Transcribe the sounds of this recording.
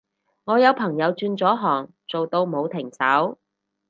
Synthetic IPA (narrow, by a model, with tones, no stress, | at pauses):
ŋɔː˨˧jɐ˨˧wpʰɐ˨˩ŋjɐ˨˧wt͡ʃyː˧nt͡sɔː˨˥ɦɔː˨˩ŋ | t͡so˨wt̪o˧wmo˨˧wt̪ʰɪ˨˩ŋsɐ˨˥w